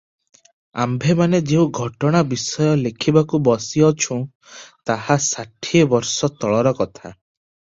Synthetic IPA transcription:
a̰mbʱemaned͡ʒeũɡʱɔʈɔɽ̃abisɔjɔlekʰibakubɔsiɔt͡ʃʰũ | t̪ahasaʈʰiebɔɾsɔt̪ɔɭɔɾɔkɔt̪ʰa̰

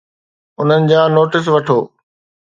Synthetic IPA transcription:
ʊn̤ənɪ̆d͡ʑaːnoːʈɪs̬ʋɐʈʰoː

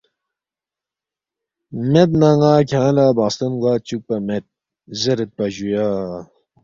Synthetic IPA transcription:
met̪̬̚naŋaːkʲʰãːlaːbaːst̪ɐnɡaːt͡ɕuk̚pɐmet̪̚ | zeɾet̪̚pɐʑujaː

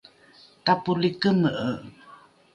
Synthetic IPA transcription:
tapulikəməʔə

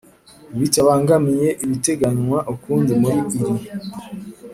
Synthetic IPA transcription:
βicaβaːŋɡamje̞ʔiβite̞ɡaɲwaʔukuːnzemuɾiiɾi

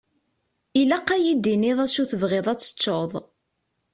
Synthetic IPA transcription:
ilæqːæjid̪inɪðˤæsuθəvʁeðˤæt͡sːə̥t͡ʃːoðˤ

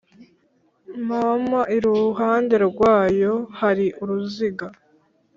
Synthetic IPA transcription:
mamaʔiɾuɦaːnde̞ɾɡwaːjo̞haɾiʔuɾuziɡa

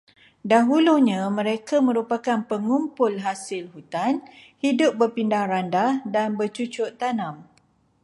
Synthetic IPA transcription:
daɦuluhɲãmə̃ɾekamə̃ɾupakanpəŋumpʊlɦasɪlɦut̪anhidʊp̚bərpindahɾandahdanbət͡ʃut͡ʃʊʔt̪anãm

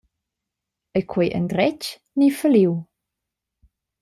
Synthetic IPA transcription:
əkʰwɛʔə̰ndrɛt͡ʃ | nifəliw

